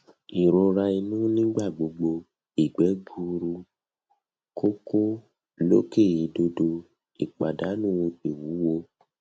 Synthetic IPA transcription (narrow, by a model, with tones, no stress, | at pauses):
i˨ɾo˧ɾa˧i˧nũ˦nĩ˦ɡ͡ba˦˨ɡ͡bo˧ɡ͡bo˧ | i˨ɡ͡bɛ˨˦ɡu˧ɾu˧ | ko˦ko˦ | lo˦ke˦˨ji˨˦do˧do˧ | i˨k͡pa˨da˨˦nũ˦o˧i˨wu˨˦wo˧